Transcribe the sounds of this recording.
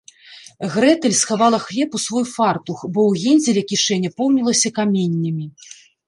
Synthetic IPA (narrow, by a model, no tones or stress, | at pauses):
ɣɾɛt̪ɛlʲsxavalˠɐxlʲɛpusvɔjfart̪uxbɔwɣʲinʲzʲɛlʲɛkʲiʂɛnʲːɐpɔwnʲilˠɐsʲɐkamʲenʲːɐmʲi